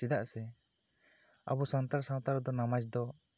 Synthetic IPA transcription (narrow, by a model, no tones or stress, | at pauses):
id̪aʔsɛ | a̰bɔsant̪aɾsãw̃t̪aɾd̪ɔnamat͡ʃd̪ɔ